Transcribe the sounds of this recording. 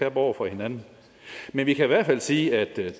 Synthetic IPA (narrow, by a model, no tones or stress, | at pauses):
æɐb̥ɒʊ̰ɐfɒ̽he̝nænn̩ | menʋikʰæiʋæɐd̥fæl̰siːæd̥